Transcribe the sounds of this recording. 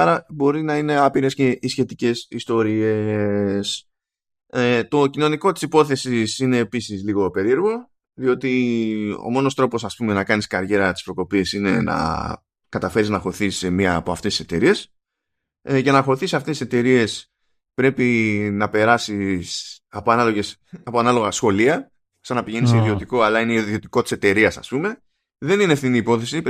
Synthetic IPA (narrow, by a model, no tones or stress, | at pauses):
ɐɾɐbo̞ɾinɐine̞ɐpiɾe̞sce̞ʔisçe̞t̪ice̞sist̪o̞ɾies | et̪o̞cino̞niko̞t̪i̥sipo̞θe̞sisine̞ːpisizliɣo̞pe̞ɾie̞ɾɣo̞ | ðio̞t̪io̰mo̞no̞st̪ɾo̞po̞sɐspume̞nɐkɐniskɐɾʝe̞ɾɐt̪i̥spɾo̞ko̞pisine̞̰nɐ̰ | kɐt̪ɐfe̞ɾiznɐxo̞iθisemiɐːpo̞ɐft̪est̪ise̞t̪e̞ɾie̞s | ce̞nɐxo̞iθisɐft̪es̬t̪ise̞t̪e̞ɾie̞s | pɾe̞pinɐpe̞ɾɐsis | ɐpoɐnɐlo̞ʝesɐpoɐnɐlo̞ɣɐsxo̞liɐ̥ | sɐnɐpiʝe̞niseiðiot̪iko̞ɐlɐineiðiot̪iko̞t̪i̥se̞t̪e̞ɾiɐsɐ̰spume̞ | ðe̞ninefθiniːpo̞θe̞si